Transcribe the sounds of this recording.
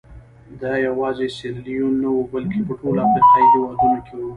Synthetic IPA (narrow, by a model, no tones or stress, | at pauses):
d̪ɑjawɑzeselijonawubalkepəʈolafɾiqɑiɦɪwɑd̪unokʰewu